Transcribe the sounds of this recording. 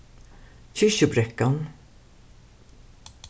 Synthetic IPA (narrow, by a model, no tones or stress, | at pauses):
çʏʃəbɾɛkːan